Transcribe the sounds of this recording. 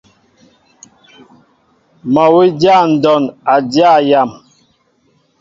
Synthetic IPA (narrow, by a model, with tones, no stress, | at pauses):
ma˨wi˦da˦˨n̩˨dɔ˨na˨dja˦˨ja˨m